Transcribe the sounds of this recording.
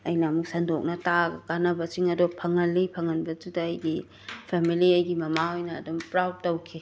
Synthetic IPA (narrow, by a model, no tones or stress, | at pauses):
ɐjnɐmuk̚sɐndok̚nɐtaɡɐkanɐbɐsiŋɐdopʰɐŋɐlːipʰɐŋɐnbɐd͡ʒudɐːjɡi | pʰemiliɐjɡimɐmahojnɐːdumpɾawd̚tːɐwkʰi